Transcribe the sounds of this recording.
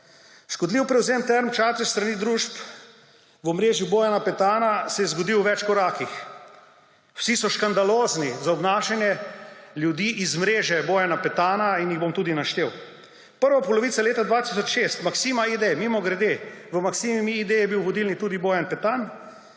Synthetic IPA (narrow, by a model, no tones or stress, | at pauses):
ʃkɔd̪liwpɾɛwzeːmt̪ɛɾmt͡ʃat̪ɾist̪ɾaniːd̪ɾuːʃp | ʋɔmɾeːʒiboːjanapɛt̪aːnasɛjɛzɡɔd̪iwʋɛt͡ʃkɔɾaːkix | w̥sisɔʃkand̪aloːznizaɔbnaːʃɛnjɛljud̪iːʔizmɾeːʒɛboːjanapɛt̪aːnainjiɣbomt̪uːd̪inaʃt̪eːw | pəɾʋapɔlɔʋit̪saleːt̪ad̪ʋat̪isɔt͡ʃʃest̪maksimaid̪emiːmɔɡɾɛd̪eʋəmaksiːmimiːd̪ejɛbiwʋɔd̪ilnit̪uːd̪iboːjanpɛt̪an